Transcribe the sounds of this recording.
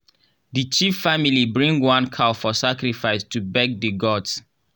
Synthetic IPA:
dət͡ʃifːamilibɹĩŋɡwãnkʰafɔsakɹifaɪstubɛɡ̚dəɡɔds

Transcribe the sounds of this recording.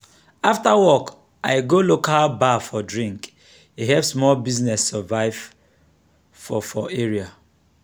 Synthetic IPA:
aftawɔk | aɪɡolokabafɔdɹĩŋk | iɦɛpsmɔlbiznɛsːɛvaɪv̥ | fɔfɔeɹia

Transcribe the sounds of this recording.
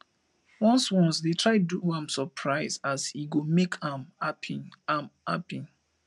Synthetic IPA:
wɔ̃nswɔ̃nsdetʰɹaɪduãmsɔpʰɹaɪzashiɡomekãmapʰiama̰pĩn

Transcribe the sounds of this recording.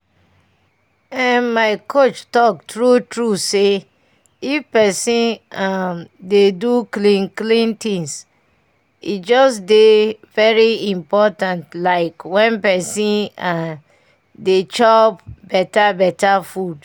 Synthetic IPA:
ɛnmaɪkʰot͡ʃtɔk̚tɹutɹuse | ifpɛsĩnamdeduklĩnklĩntĩŋs | itd͡ʒɔsdevɛɹiĩmpɔtãntlaɪkwɛ̃npɛsĩna | det͡ʃɔpbɛtabɛtafud

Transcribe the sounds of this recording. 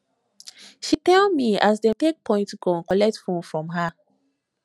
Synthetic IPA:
ʃitɛlmiazdɛ̃tek̚pʰɔ̃ɪ̃ntsɡɔ̃nkɔlɛk̚tfõnfɹɔ̃mɦa

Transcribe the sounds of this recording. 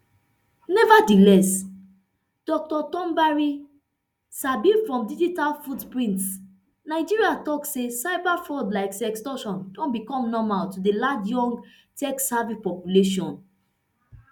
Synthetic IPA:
nɛvadilɛs | d̥ɔk̚tɔtɔ̃mbaɹi | sabifɹɔ̃mdid͡ʒitalfudpɹĩnts | naɪd͡ʒiɹiatɔksesaɪbafɔdlaɪksɛkstɔʃɔ̃ndɔ̃nbikɔ̃mnɔmaltudelad͡ʒjɔ̃ŋɡ | tɛksavipɔpjuleʃ̬ɔ̃n

